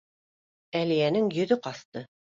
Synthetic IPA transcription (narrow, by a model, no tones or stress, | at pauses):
ælijænɘŋjɵ̆ðɵqɑθt̪ɤ